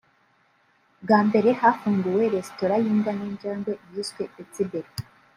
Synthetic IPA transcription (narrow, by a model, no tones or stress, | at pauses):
ɡaːmbe̞ɾe̞hafuːŋɡuwe̞ɾe̞sto̞ɾajiːŋɡaniːɲd͡ʒaːnɡoʔijiskweet͡sibeɾ